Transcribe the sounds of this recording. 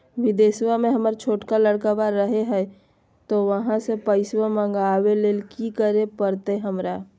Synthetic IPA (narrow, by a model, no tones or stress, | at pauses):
ʋɪd̪eːswamẽɦəməɾt͡ʃʰoːʈkaləɽkabaɾːəɦeɦɛː | t̪oʋəɦãsepəɪswamə̃ŋɡaːweleːlkikəɾepəɾt̪eɦəmɾaː